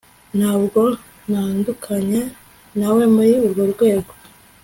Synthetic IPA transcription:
nhaβɡo | naːndukʰaɲe | naweːmbajiuɾɡoɾɡwe̞ːɡo

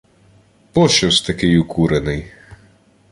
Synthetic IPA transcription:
pɔʃɔst̪ɐkɪjukʰuɾenɪj

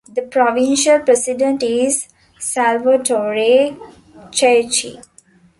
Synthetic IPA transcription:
d̪əpɾɔʋɪ̃nʃəlpɾɛsɪɖə̃ɳʈɪz | sælʋəʈoːɾe | t͡ʃet͡ʃḭ

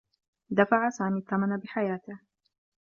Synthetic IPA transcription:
d̪afaʕasaːmiːt̪ˤːamanabɪħajaːt̪ɪh

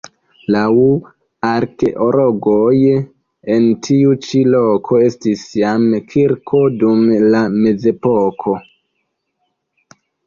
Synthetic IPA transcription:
lau | aɾke̞ʔoɾo̞ɡoj | entʰiut͡ʃilo̞kʰo̞e̞stisjamkʰiɾkʰo̞dumlame̞ze̞po̞kʰo̞

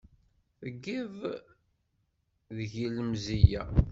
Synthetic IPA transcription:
θəɡːiv | ðəʝiləmzijæ

